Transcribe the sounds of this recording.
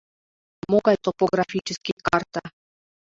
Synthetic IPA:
moɡɑjt̪opoɡrafʲit͡ɕɘ̆skʲijkɑrt̪ɑ

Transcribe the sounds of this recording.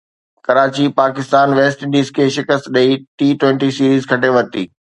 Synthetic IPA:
kɐɾaːt͡ɕipaːkɪst̪aːnʋeːsʈɪ̃ɳɖiːzkʰeːʃɪkəst̪ɗɐiʈiːʈwẽɳʈisiːɾiːzkʰɐʈeʋɐɾt̪iː

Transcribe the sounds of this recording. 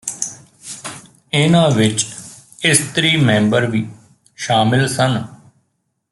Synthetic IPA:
ɪnãːʋɪt͡ʃ | ɪst̪ɾiːmɛ̃ːmbəɾʋiː | ʃaːmɪlsən

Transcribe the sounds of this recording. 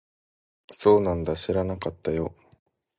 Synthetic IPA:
so̞ːnãnd̪aɕiɾanakat̪ːajo̞

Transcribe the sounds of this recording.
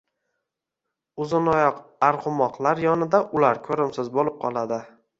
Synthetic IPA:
ʊzɪnɒjɒqaɾqʊmɒqlˠaɾjɒnɪd̪aʔʊlaɾkʰɵɾɪmsɪzbolɪp̚qʰɒ̰lˠad̪ɪ

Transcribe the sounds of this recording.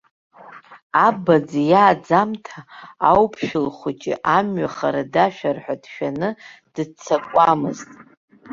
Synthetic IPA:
abad͡zjaːd͡zamtʰaːwpʰʃᶣɪlχʷʊt͡ʃʼɪ̰ʔamɥaχaɾadaʃᶣarħʷᶣadʃᶣanɨd̥ɨt͡sʰakʷʼamɨztʼ

